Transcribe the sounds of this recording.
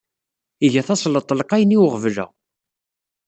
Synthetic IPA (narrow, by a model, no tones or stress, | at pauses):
iʝæθɑsˤlət̪ˤːlqæjniwʁəvlæ̰